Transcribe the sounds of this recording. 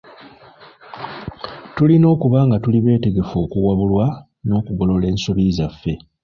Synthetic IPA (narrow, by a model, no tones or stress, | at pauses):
tulino̞ːkuβaːŋɡatuliβe̞ːte̞ɡe̞fo̞ːkuwaβulwa | no̞ːkuɡo̞lo̞le̞ːnsoβizafːe̞